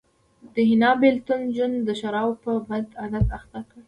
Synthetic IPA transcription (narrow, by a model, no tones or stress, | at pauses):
d̪̥əhɪnɑbelt̪ʊnʒwand̪əʃaɾɑwpəbad̪ad̪at̪axt̪akə